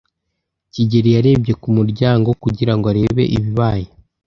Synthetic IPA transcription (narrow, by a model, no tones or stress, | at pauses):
ciɟe̞ɾijaɾe̞ːbɟe̞kumuɾɟaːŋɡo̞kuɟiɾaŋɡoaɾe̞ːβe̞̰ʔḭβiβaːje